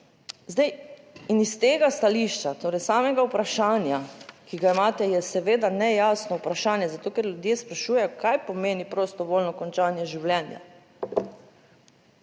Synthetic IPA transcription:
zd̪ɛj | inist̪eːɡast̪aliʃt͡ʃat̪oːɾɛjsaːmɛɡaupɾaʃaːnjakiɡaimaːt̪ɛjɛsɛʋeːd̪anɛjaːsnɔupɾaʃaːnjɛzat̪oːkɛɾlʲjud̪jeːspɾaʃuːjɛjɔkajpɔmeːnipɾost̪ɔʋoːlnɔkɔnt͡ʃaːnjɛʒiwlɛnja̰

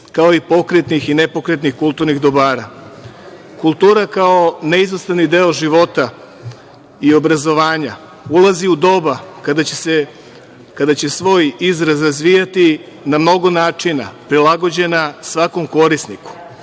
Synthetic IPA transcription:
kao̞ipo̞kɾet̪nixinepo̞kɾet̪nixkulˠt̪uɾniɣd̪o̞baːɾa | kulˠt̪uːɾakao̞neiznost̪anid̪e̞oʒiʋo̞t̪a | io̞bɾazo̞ʋaːɲa | ulaziud̪o̞bakad̪ase | kad̪at͡ɕe̞sʋo̞jizɾazɾazʋijat̪i | namno̞ɡo̞naːt͡ʂina̰pɾilˠaɡo̞d͡ʑe̞nasʋako̞mko̞ɾisniku̥

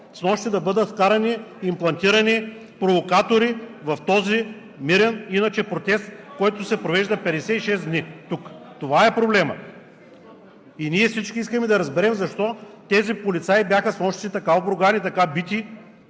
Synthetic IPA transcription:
snɔʃt̪id̪ɐbɤd̪ət̪fkaɾɐniimplˠɐnt̪iɾɐni | pɾovokat̪oɾivɐft̪ɔzi | miɾɛninɐt͡ʃɛpɾot̪ɛst̪̚kɔjt̪ʊsɛpɾovɛʒd̪ɐpɛd̪ɛsɛt̪iʃɛsd̪nit̪ukt̪ovaɛpɾoblɛmə̰ | iniɛfsit͡ʃkʲiiskəmɛd̪ɐɾɐzbɛɾɛmzɐʃt̪ɔt̪ɛzipolit̪saibjaxəsnɔʃt̪sit̪ɐkaobɾoɡanit̪ɐkabit̪ʲi

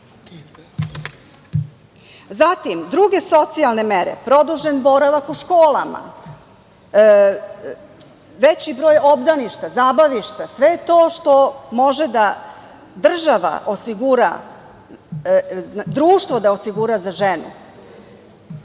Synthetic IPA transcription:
zat̪imd̪ɾuɡe̞so̞t̪sialˠne̞meɾḛpɾo̞d̪uʒe̞nbo̞ɾaʋakuʃkoːla̰ma̰ | ʋet͡ɕibɾo̞ːjo̞bd̪aniʃt̪azaːbaʋiʃt̪asʋe̞jet̪o̞ːʃt̪o̞mo̞ʒed̪a | d̪r̩ʒaʋa̰ʔo̞siɡuɾa̰ | d̪ɾuːʃt̪vʋod̪ao̞siɡuɾazaʒenṵ

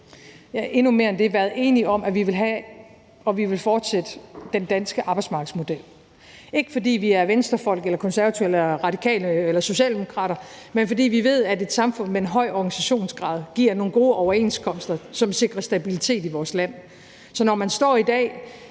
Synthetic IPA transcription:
jæʔe̝nume̝ːɐend̥e̝ʋæːɐð̩ˠe̝ːniɒ̽mʔæʋiʋe̝lɦæ | ɒ̽ʋiʋe̝lfɒːd̥sed̥əd̥end̥ænsɡ̥əʔɑ̈ːb̥ɑɪ̥smɑ̈ːɡ̥̩ˠsmo̝d̥el̰ | e̝ɡ̥əfɒ̽dḭːʋiæɐʋensd̥ɐfɒ̽l̰ɡ̥elɐkʰɒ̽nsæɐʋæt͡sʰuel̰ɐʁɑ̈d̥ikʰɛ̰ːlelɐso̝ɕɛ̰ːld̥e̝mo̝kʰʁɑ̰̈ːɾ̥ɐmenfɒ̽d̥ḭːʋiʋe̝ð̞̰ˠæde̝d̥sɑ̈mfɔ̽n̰meenɦɒ̽ɪ̰ɒɡ̥ænisæɕo̝̰ːnsɡ̥ʁɑ̈ːð̞ˠɡ̥iɐno̝ːn̩ɡ̥o̝ːʔɒʊɐe̝̰ːnskʰɒ̽msd̥ɐsɒ̽mse̝ɡ̥ʁɐsd̥æbilit͡sʰe̝̰ːd̥iʋɒːslæn̰ | sɒ̽nɒmænsd̥ɒ̰ːid̥ɛ̰ː

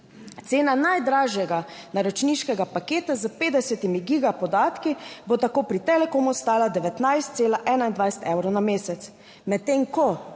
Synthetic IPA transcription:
t̪seːnanajd̪ɾaːʒjɛɡanaɾɔt͡ʃniʃkɛɡapakeːt̪azəpeːd̪ɛsɛt̪imiɡiɡapɔd̪aːt̪kibot̪akoːpɾit̪ɛlɛkoːmuɔst̪aːlad̪ɛʋɛt̪najst̪seːlaʔɛːnaind̪ʋajsɛ̥t̪ɛwɾonameːsɛt̪s | mɛt̪ːeŋkɔ

